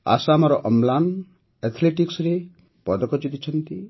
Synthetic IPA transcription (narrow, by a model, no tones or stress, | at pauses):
a̰samɔɾɔʔɔmlan | et̪ʰleʈiksɾe | pɔd̪ɔkɔt͡ʃid̪it͡ʃʰɔnt̪i